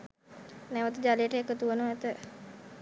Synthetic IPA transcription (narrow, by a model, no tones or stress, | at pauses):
nɛʋət̪d͡ʒalejəʈəjekːət̪uʋənuɛt̪ə